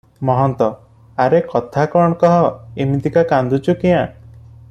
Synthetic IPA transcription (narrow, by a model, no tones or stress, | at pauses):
mɔɦɔnt̪ɔ | aɾekɔt̪ʰakɔɳ̃ɔkɔɦɔemit̪ikakand̪ut͡ʃukijã